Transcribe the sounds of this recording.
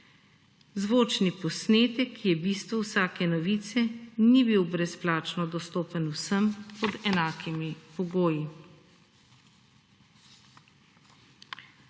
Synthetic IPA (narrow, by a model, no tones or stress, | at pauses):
zʋoːt͡ʃnipɔsneːt̪ɛkʰːijɛbist̪ʋɔwsaːkɛnɔʋiːt̪sɛnibiwbɾɛsplaːt͡ʃnɔd̪ɔst̪oːpənuwsəmpɔd̪ɛnaːkimipɔɡoːji